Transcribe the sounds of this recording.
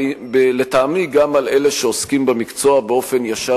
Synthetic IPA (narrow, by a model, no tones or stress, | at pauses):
bele̞taːmiɡamalele̞ʃeoskimbemikt͡so̞abeo̞fe̞njaʃa